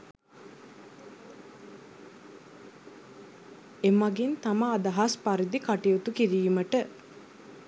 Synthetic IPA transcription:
emɐɡint̪aməːd̪ɐɦaspaɾid̪ikaʈijut̪ukiɾiːməʈə

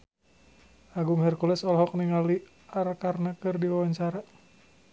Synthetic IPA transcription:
aɡuŋɦɛrkulɛsɔlɦɔk̚niŋali | arkarnakɨrdiwawaɲt͡ʃaɾa

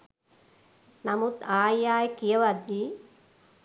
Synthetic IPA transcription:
namut̪aːjjaːjkijəʋad̪ːi

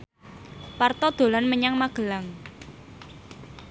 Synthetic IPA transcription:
part̪ɔd̪̥o̤lanməɲaŋmaɡ̥əlaŋ

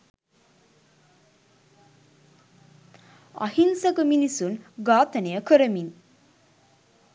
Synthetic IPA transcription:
a̰hinsəkəminisunɡaːt̪ənejəkəɾəmin

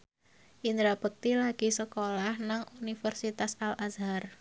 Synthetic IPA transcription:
ʔind̪ɾab̥ək̚t̪ilaɡ̥isəkolahnaŋʔunifərsit̪asalʔazar

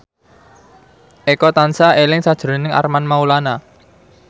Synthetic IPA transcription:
ʔekɔt̪ansaelɪŋsad̥ʒ̥ɾonɪŋa̰rmanmaulana

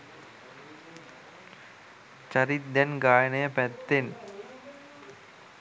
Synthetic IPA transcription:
t͡ɕaɾit̪̚d̪ɛnɡajneepɛt̪ːen

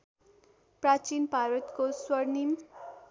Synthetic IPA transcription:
prat͡sinbʱaɾʌt̪koswʌrnim

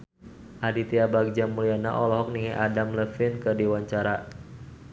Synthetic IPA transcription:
ʔadit̪iabak̚d͡ʒamuliana̰ʔɔlɔɦɔk̚niŋɛʔadamləfɪnkərdiwaɲt͡ʃaɾa

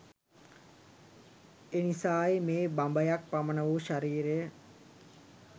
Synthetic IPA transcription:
enisaːjmeːbambəjak̚pamənəʋuʃaɾiːɾejə

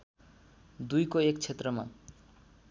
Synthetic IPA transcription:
d̪ujkoekt͡sʰet̪rʌma̰

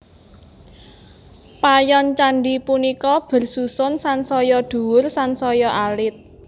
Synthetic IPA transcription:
pajɔnt͡ʃaɳɖipunikɔb̥ə̤rsusʊnsansɔjɔɖ̪̥ṳwʊrsansɔjɔʔalɪt̪̚

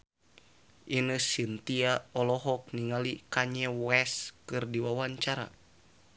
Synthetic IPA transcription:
ʔinəsint̪iaɔlɔɦɔk̚niŋalikaɲɛwɛskɨrdiwawaɲt͡ʃaɾa̰

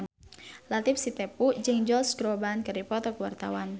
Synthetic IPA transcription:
n | lat̪ɪp̚sit̪epud͡ʒɨŋd͡ʒɔlskɾobankəɾipɔt̪ɔkuwart̪a̰wan

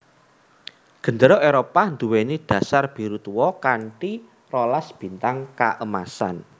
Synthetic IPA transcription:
ɡ̥ə̤nd̪əɾɔʔeɾopand̪uweniɖ̥ä̤sarb̥i̤ɾut̪uwɔkaɳʈi | rolasb̥i̤nt̪aŋka̰ʔəma̰sa̰n

